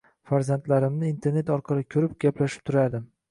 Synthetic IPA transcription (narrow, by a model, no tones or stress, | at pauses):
faɾzant̪laɾɪmnɪint̪ʰe̞ɾne̞t̪ɒɾqʰɑlˠɪkʲʰɵɾɪpɡʲaplaʃɪ̥p̚t̪ʰʊɾad̪ɪm